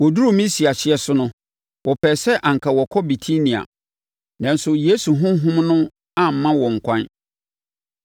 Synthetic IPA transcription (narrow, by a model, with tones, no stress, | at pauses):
wɔ˨du˦ɾo˦˨mĩ˦si˨a˨ɕɪ˨˦ɛ˨sʊ˦nʊ̃˦ | wɔ˨pʰɛː˨sɛ˦ʔã˨ŋ̩˨kʰa˨wɔ˨kʰɔ˦bi˨tʰi˦nĩ˨a̰˨ | nã˨n̩˦sʊ˨je˦su˨ɦʊ̃˦ɦʊ̃˦mnʊ̃˦ | a˦m̩˨mːã˦wɔ˨ŋ̩˨kʷʰã˦n